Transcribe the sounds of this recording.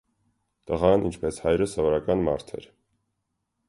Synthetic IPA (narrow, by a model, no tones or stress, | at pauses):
t̪əʁɑnʔint͡ʃʰpɛshɑjɾəsɔvɔɾɑkɑnmɑ̰ɾt̪ʰɛ̰ɾ